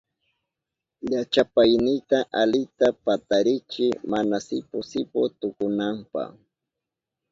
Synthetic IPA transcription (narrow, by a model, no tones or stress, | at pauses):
ʎat͡ʃapajnɪt̪aʔalɪt̪apat̪aɾɪt͡ʃɪmanasɪpʊsɪpʊt̪ʊkʊnampa̰